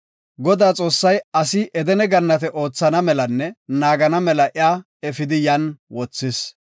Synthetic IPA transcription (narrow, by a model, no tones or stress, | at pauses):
ɡɔd̪aːt͡sʼo̞ːsːɐjɐsɪʔɛd̪ɛnɛɡɐnːɐt̪ɛʔo̞ːt͡sːɐnɐmɛlɐnːɛnaːɡɐnɐmɛlɐʔɪjaː | ɛfɪd̪ɪjɐnwɔt͡sːɪs